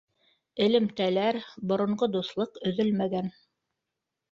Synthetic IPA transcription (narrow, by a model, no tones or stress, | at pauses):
ɘ̆lɘ̆mt̪ælæɾbŏɾŏɴɢod̪uθlˠɤqɵ̆ðɵlmæɡæn